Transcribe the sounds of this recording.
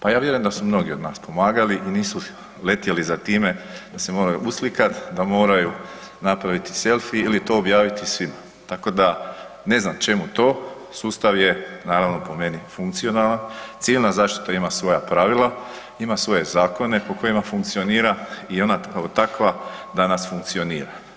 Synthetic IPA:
pajaːʋjeɾujend̪asumno̞ɡiod̪naːspʰo̞maːɡaliʔiniːsu | le̞t̪jelizat̪iːme̞d̪̥ase̞mo̞ːɾajuʔuslikat̪d̪amo̞ːɾaju | napɾaʋit̪i̥se̞lˠfiilit̪o̞ːbjaːʋit̪isʋima | t̪ako̞d̪a | ne̞znamt͡ʃe̞mut̪o̞ː | suːst̪aʋje̞naːɾaʋno̞po̞me̞nifuŋk̚t̪sio̞nalant̪siʋilnazaːʃt̪i̥t̪aimasʋo̞japɾaʋilˠa | imasʋo̞je̞zaːko̞ne̞po̞ko̞jimafuŋk̚t̪sio̞niːɾaio̞natot̪akʋad̪anasfuŋk̚t̪sio̞niːɾa

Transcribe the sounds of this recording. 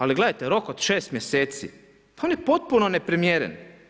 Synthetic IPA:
aliɡle̞d̪ajt̪eɾo̞kod̪̥ʃe̞ːst̪mje̞seːt̪sḭ | pao̞nje̞po̞t̪̚puno̞ne̞pɾimjeɾḛn

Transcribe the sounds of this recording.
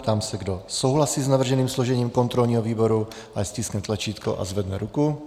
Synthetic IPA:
t̪amsɛɡdo̞so̞wɦlasiːznavr̩ʒɛniːmsloʒɛɲiːmko̞nt̪ɾo̞lɲiːɦoviːbo̞ɾu | ʔasciːsknɛt̪lat͡ʃiːt̪ko̰ʔa̰zvɛdnɛɾuku

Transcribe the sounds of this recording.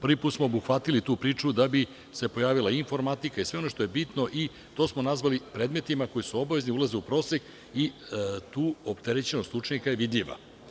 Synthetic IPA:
pr̩ʋipuːt̪smo̞obuxʋat̪ilit̪uːpɾiːt͡ʂud̪abi | se̞po̞jaːʋilˠaiiːɱfo̞ɾmat̪ikaisʋe̞o̞no̞ʃt̪oje̞bit̪no̞ʔi | t̪o̞ːsmo̞nazʋalipɾe̞d̪me̞t̪imako̞jisuo̞baʋe̞zniulˠazeupɾo̞ːsek | it̪uːopt̪eɾet͡ɕe̞nost̪ut͡ʃɲikaje̞ʋid̪ʎiʋa̰

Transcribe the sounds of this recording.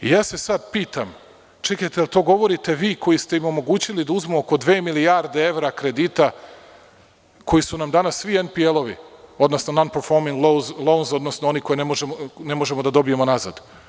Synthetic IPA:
ḭjaːse̞sad̪piːt̪am | t͡ʃekajt̪ealˠt̪o̞ːɡo̞ʋo̞ɾit̪e̞ʋiːkʰo̞jist̪e̞imo̞mo̞ɡuːt͡ɕilid̪auzmuoko̞d̪ʋe̞ːmilijaɾd̪eeʋɾakɾe̞d̪iːt̪a | kʰo̞jisunamd̪anasːʋienpielˠo̞ʋḭo̞d̪nosnonanpeɾfo̞ɾmiŋɡlolˠownzo̞d̪nosnoo̞niko̞jenemoʒemone̞moʒe̞mod̪ad̪o̞bijemo̞naza̰d̪

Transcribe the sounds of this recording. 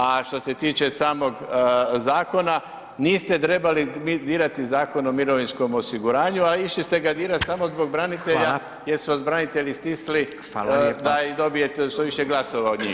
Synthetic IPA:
aʃt̪o̞se̞t̪iːt͡ʃe̞saːmo̞ɡzaːko̞na | niːst̪e̞t̪ɾe̞balimid̪iːɾat̪izaːko̞no̞miɾo̞ʋinsko̞mo̞siɡuɾaːɲualiiʃlist̪e̞ɡad̪iːɾat̪samo̞zbo̞ɡ̚bɾanit̪e̞ʎa | jeɾsuod̪bɾanit̪e̞ʎist̪isli | ald̪aid̪o̞bije̞t̪eʃt̪oʋiʃeɡlˠaso̞ʋaod̪ɲḭː

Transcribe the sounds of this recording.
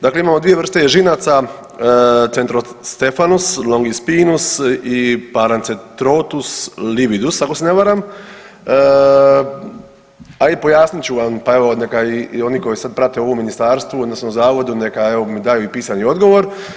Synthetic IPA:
d̪aːkle̞imaːmod̪ʋije̞ʋr̩st̪e̞jeʒinaːt̪sa | t̪sent̪ɾost̪efanuslˠo̞ŋɡispiːnusipaɾant̪set̪ɾot̪usliʋid̪ust̪akoseneʋaːɾam | aipo̞jaːsnit͡ɕuʋampae̞ʋo̞ne̞kaio̞niko̞jisad̪̚pɾat̪eo̞ʋomːinist̪aːɾst̪ʋood̪nosnomzaːʋo̞d̪une̞kae̞ʋomid̪ajuipiːsanio̞d̪ɡo̞ʋo̞ɾ

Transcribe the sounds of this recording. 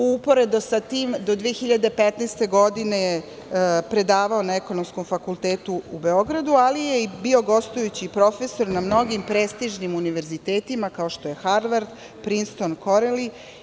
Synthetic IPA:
uupo̞ɾe̞d̪osat̪iːmd̪o̞d̪ʋiexiʎad̪epet̪nɛːst̪e̞ɡo̞d̪ine̞je | pɾe̞d̪aːʋao̞naeko̞nomsko̞mfakulˠt̪eːt̪uube̞o̞ɡɾad̪ualijeibio̞ɡo̞st̪ujut͡ɕipɾo̞feso̞ɾnamno̞ɡimpɾeːst̪iʒnimuniʋe̞ɾzit̪eːt̪imakao̞ʃt̪o̞je̞xaɾʋaɾd̪ | pɾinst̪onko̞ɾeli

